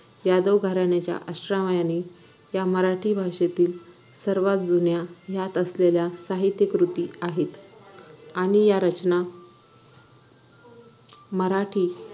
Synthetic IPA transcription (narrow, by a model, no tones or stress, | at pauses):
jad̪əʋɡʱaɾaɳjat͡ɕja̰ʔəsʈɾaʋajaniː | jaməɾaʈʰiːbʱaʋʂet̪iːl | səɾʋat̪̚d͡zunjajat̪əsleljasaɦit̪jəkɾut̪iːaɦet̪ | aɽ̃ijaɾət͡ɕna | məɾaʈʰiː